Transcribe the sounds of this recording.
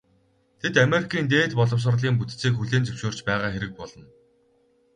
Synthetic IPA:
t̪ʰet̪ameɾikʰiːnt̪eːt̪pɔɮɞ̆ws̬ə̆rɮiːŋput̪t͡siːkxuɮeːnt͡sɵwʃoːr̥t͡ɕpæːʁaːxeɾɘ̆k̚pɔɮɞ̆n

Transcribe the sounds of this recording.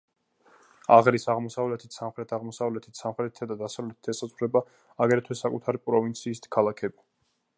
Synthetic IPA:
aʁɾisaʁmɔsavlɛt̪ʰi̥t̪ʰsamχɾɛt̪ʰaʁmɔsavlɛt̪ʰi̥t̪ʰsamχɾɛt̪ʰi̥t̪ʰad̪ad̪asavlɛt̪ʰi̥t̪ʰɛsazʁuɾɛba | aɡɾɛt̪ʰwɛsːakʼut̪ʰaɾipʼɾɔvint̪sʰiːst̪ʰkʰalˠakʰɛbi

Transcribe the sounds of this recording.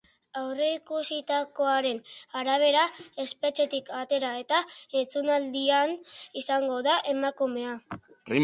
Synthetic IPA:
awre̞ikusit̪ako̞aɾe̞naɾaβ̞e̞ɾae̞spe̞t͡ʃe̞t̪ikat̪e̞ɾae̞t̪aet͡sunald̪ianisaŋɡo̞ðaʔe̞makume̞a | pri

